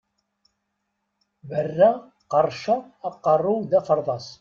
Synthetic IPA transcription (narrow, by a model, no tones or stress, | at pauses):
bərːæ | qɑrˤʃɑː | qːɑrˤːʊðæfəɾˤðˤɑs